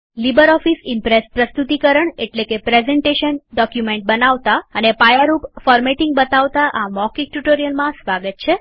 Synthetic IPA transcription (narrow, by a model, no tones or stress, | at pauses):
libəɾɔfisimpɾespɾəst̪ut̪ikəɾəɳeʈlekepɾezɛɳʈeʃənɖɔkjumeɳʈ̚bənaʋt̪aənepajəɾupfɔɾmeʈiŋɡ̚bət̪aʋt̪aʔamɔkiʈuʈoɾijəlmãsʋaɡət̪̚t͡ʃʰe